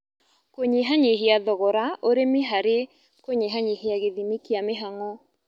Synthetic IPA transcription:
koɲeɦaɲeɦeaðɔɣɔɾaʔoɾemiɦaɾe | koɲeɦaɲeheaɣeðimikiameɦaŋɔ

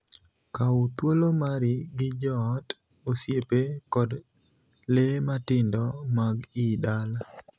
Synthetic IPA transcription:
kaut̪wolomaɾɪɡɪd͡ʒɔːt | osjepekɔd | lematɪndɔmaɡidala

